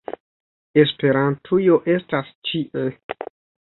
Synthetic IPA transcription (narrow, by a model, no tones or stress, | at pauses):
e̞spe̞ɾantʰujo̞ʔe̞stast͡ʃiʔe